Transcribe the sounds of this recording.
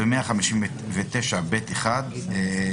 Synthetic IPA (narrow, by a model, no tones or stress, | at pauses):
bemeaχamiʃim | vet̪eʃabet̪eχad̪e